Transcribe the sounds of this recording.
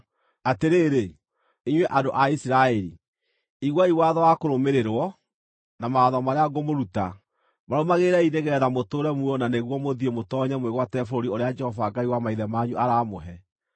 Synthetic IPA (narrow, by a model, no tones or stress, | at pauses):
ateɾeːɾe | iɲwɛʔadoʔaisiɾaɛɾi | iɣwaiwaðɔwakoɾomeɾeɾwɔ | namaðɔmaɾeaɡomoɾuta | maɾomaɣeɾɛineɣɛːðamotoɾɛmuɔnaneɣwɔmoðiemotɔːɲamweɣwatɛfoɾoɾioɾead͡ʒɛhɔvaːɡaiwamaiðɛmaːɲuʔaɾaːmoɦɛ